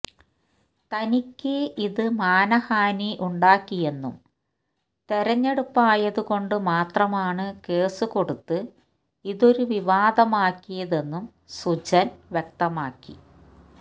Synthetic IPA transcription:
t̪ɐnikʲːɨiðɨmaːnɐhaːniʔuɳɖaːkːije̞nːṵm | t̪eɾɐɲːe̞ɽupːaːjɐðuɣo̞ɳɖɨmaːt̪rɐmaːɳɨke̞ːsuko̞ɽut̪ːɨ | iðo̞ɾuʋiʋaːd̪ɐmaːkːijɐðe̞nːum | sud͡ʑɐnʋjek̚t̪ɐmaːkːḭ

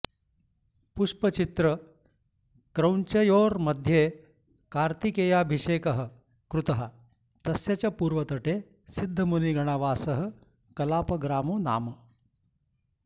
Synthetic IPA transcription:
puʂpɐt͡ʃit̪ɾɐ | kɾɐwɲt͡ʃɐjoːɾmɐd̪ʱjeː | kaːɾt̪ikeːjaːbʱiʂeːkɐɦɐ̆ | kɾut̪ɐɦɐ | t̪ɐsjɐt͡ɕɐpuːɾʋɐt̪ɐʈeː | sid̪ʱːɐmuniɡʱɐɽ̃aʋaːsɐɦɐ̆ | kɐlaːpɐɡɾaːmoːna̰ːmɐ

